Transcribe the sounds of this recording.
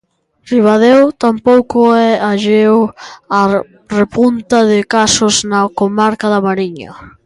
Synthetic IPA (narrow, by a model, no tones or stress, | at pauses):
riβ̞að̞ewt̪ampowkʊɛaʎewa | repunt̪ɐðɪkasʊznakomaɾkaðɐmaɾiɲɐ̰